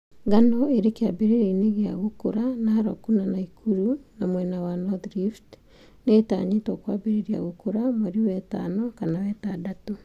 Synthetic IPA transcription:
ɡanɔeɾekeabeɾeɾeineɣea̰ɣokoɾanahaɾɔ̰kunanaikʰuɾunamwɛnawanɔðɾift | neːta̰ːɲetɔkwabeɾeɾia̰ɣokoɾamaɾiwɛta̰nɔkanawɛːtaːdatu

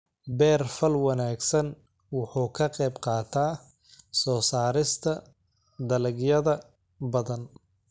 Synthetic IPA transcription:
bɛːrfɐlwɐnaːɡsɐn | wʊħuːkʰɐqɛjbqɑːt̪ʰaː | sɔːsaːɾɪst̪ʰɐ | d̪ɐlɪɡjɐðɐ | bɐðɐn

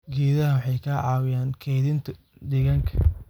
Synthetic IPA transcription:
ɡiːðɐɦɐwʊħɑjkʰaːʕɑːwɪjaːnkʰɛjðɪnt̪ʰɐ | d̪ɛɣɐŋkʰɐ̥

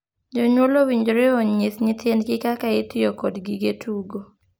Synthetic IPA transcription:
d͡ʒoɲwolowiɲd͡ʒɾeɔɲiθɲɪt̪endkɪkakaɪt̪ɪjokɔdɡiɡetʰuɡo

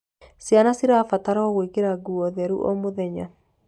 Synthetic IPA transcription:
sjanasiɾafataɾɔɔɣwekeɾaɡuɔðɛɾṵʔɔmoðɛɲa

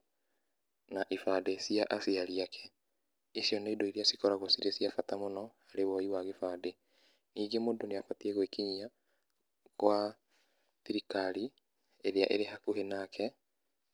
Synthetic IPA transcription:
naʔifadesiaʔasiaɾiakʰɛ̥ | esjɔnaidoiɾiasikɔɾaɣosiɾesiafatamonɔhaɾewɔiwaɣefaːde | niːɡemoːndoneafatiɛɣwekiɲia | ɣwa | tiɾikaɾi | eɾeaʔḛɾehakohenakʰɛ

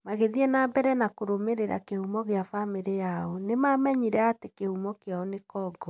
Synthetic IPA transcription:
maɣeðiɛnabɛɾɛnakoɾomeɾeɾa̰kehumɔɣeafameɾejaɔnemamɛɲiɾɛatekehumɔkeaɔnekɔːɡɔ

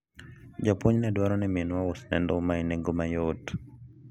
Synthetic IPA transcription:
d͡ʒapoɲnɛdwaɾɔnɛmenwawɔsnɛndɔmainɛŋɡomajot

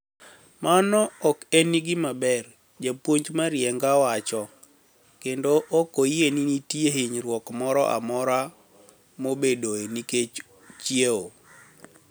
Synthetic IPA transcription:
manɔɔkeniɡɪmabɛr | d͡ʒapwoɲd͡ʒmaɾjɛŋɡawat͡ʃɔ | kendoʔokojeninitjeɦiɲɾwɔkmɔɾɔʔa̰mɔɾa | mobedoeniket͡ʃ | t͡ʃieo

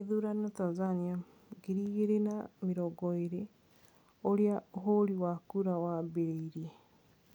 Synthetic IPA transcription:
eðuːɾanotazania | ɡeɾiːɣeɾenameɾɔɡɔeɾe | oɾeaoɦoɾiwakuɾawabeɾeiɾe

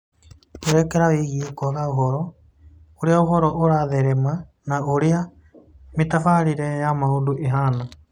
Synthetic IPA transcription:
uɾɛkɛɾawiɣikɔɣauɦɔɾɔ | uɾiauɦɔɾɔʔuɾaðɛɾɛma | nauɾia | mit̪afaɾiɾɛjamauɗuʔiɦaːna

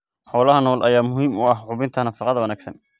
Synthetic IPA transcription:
ħɔːlɐɦɐnɔːlʔɐjaːmʊɦiːmʊɐɦʕʊβɪnt̪ʰɐnɐfɑqɑðɐwɐnæːɡsɐ̰n

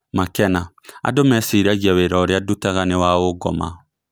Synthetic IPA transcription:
makɛna | a̰domɛsiɾaɣiaweɾɔɾeadutaɣanewaoɡɔma̰

